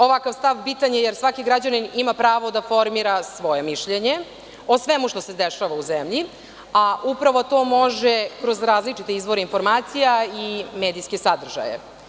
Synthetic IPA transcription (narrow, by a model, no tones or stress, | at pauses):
o̞ʋakaʋst̪aʋpit̪aɲejeɾsʋakiɡɾad͡ʑaninimapɾaːʋo̞d̪afo̞ɾmiɾasʋo̞je̞miʃʎeɲe̞ | osʋemuʃt̪o̞sed̪eʃaʋauzemʎi | aʔupɾaʋo̞t̪o̞ːmo̞ʒekɾo̞zɾaːzlit͡ʂit̪e̞izʋo̞ɾeinfo̞ɾmaːt̪sijaimeːd̪ijske̞sad̪r̩ʒa̰jḛ